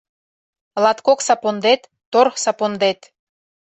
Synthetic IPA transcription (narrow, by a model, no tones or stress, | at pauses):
lɑt̪koksɑpond̪et̪ːorxsɑpond̪et̪